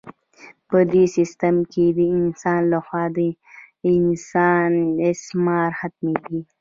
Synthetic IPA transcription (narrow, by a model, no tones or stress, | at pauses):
pəd̪esist̪əmked̪əɪnsɑːnlaxwɑd̪ə | ɪnsɑːnesmɑːɾhat̪̚meli